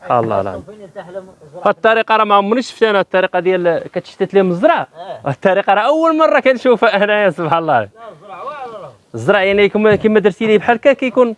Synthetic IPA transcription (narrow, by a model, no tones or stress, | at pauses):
sˤb̥ħa̰lˤːɑ̰la̰n | hæd̪̚t̪ˤːɑɾiqɑɾˤɑmæhʊmːnəʃft̪ænæhæt̪ˤːɑɾiqɑd̪jælkæt̪ə̥ʃt̪æt̪liməzˤɾˤɑhæt̪ˤːɑɾiqɑɾˤɑʔəwːəlmɑrˤːɑkænʃufæʔænæsˤobħalˤːɑ | zɾˤɑʔjaʕnikkæmæd̪ɾsilibħalkækæjkun